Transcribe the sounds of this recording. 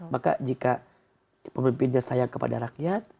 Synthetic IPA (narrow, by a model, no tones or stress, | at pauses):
maka̰d͡ʒika | pəmimpɪnɲasajaŋkəpa̰daɾakjat̪̚